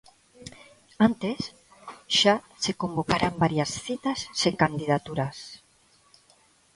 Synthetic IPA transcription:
ant̪es | ʃa | sekombokaɾambaɾjasθit̪assekand̪iðat̪uɾas

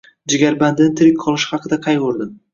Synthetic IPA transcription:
d͡ʒɪɡʲaɾband̪ɪnɪt̪ʰɪɾɪk̚ʲqʰɒlˠɪʃhɑqʰɨd̪aqʰɑjqoɾd̪ɪm

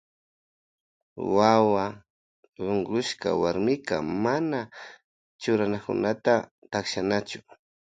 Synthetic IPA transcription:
wawa | ʎoɴɢʊʃka̰waɾmɪka̰mana | t͡ʃʊɾanakʊ̰nat̪a | t̪akʃanat͡ʃʊ̥

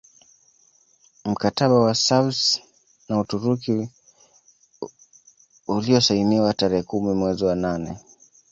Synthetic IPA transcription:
m̩kataɓawasabs | nautuɾuki | uliɔsainiwataɾɛɛkumimwɛziwananɛ

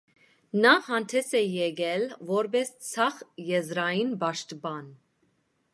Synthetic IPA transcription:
nɑhɑnt̪ʰɛsɛjɛɡɛlvɔɾbɛst͡sʰɑχjɛzɾɑjinbɑʃt̪bɑn

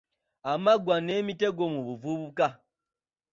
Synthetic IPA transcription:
amaɡwanemiteɡomuβuvuβuka

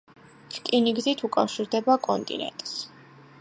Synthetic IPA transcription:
ɾkʼiniɡzit̪ʰukʼafʃiɾd̪ɛbakʼɔnt̪ʼḭnɛ̰nt̪ʼs

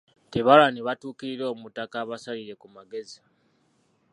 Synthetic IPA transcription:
teβalaneβatuːkiɾiɾoːmutakaβasaliɾe̞kumaɡe̞zi

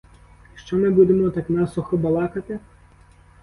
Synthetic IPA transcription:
ʃt͡ʃɔmɪbud̪emɔt̪ɑknɑsɔxɔbɐlˠɑkɐt̪ɪ

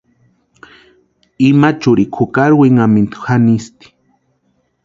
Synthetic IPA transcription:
imat͡ʃuɾikʰukaɾweŋamint̪u̥xanist̪i̥

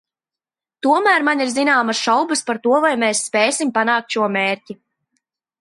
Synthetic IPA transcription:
t̪uɔmæːɾmaniɾzinaːmasʃawbəspaɾt̪uɔvajmɛsːpɛːjsimpanaːk̚t̪ʃuɔmeːɾcʲi

